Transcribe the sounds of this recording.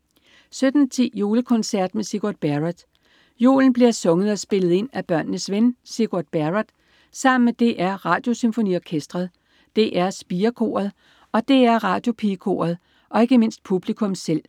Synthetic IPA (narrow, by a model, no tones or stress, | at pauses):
sød̥n̩t͡sʰḭːjo̝ːləkʰɔ̽nsæɐ̰d̥mesiɡ̥uɐd̥̚b̥æʁad̥ | jo̝̰ːln̩b̥liɐsɔ̽ŋəð̩ˠɒ̽sb̥e̝lð̞̩ˠe̝n̰æb̥ɶɐ̰nnəsʋensiɡ̥uɐd̥̚b̥æʁad̥ | sɑ̈m̰n̩med̥e̝ʔæɐʁɑ̈ːd̥jo̝symfo̝nḭɒkʰesd̥ʁɐðˠ | d̥e̝ʔæɐsb̥iːɐkʰo̝̰ːɐðˠ | ɒ̽d̥e̝æɐʁɑ̈ːd̥jo̝pʰikʰo̝̰ːɐð̞̩ˠ | ʔɒ̽e̝ɡ̥əme̝n̰sd̥̚pʰub̥likʰɔ̽msel̰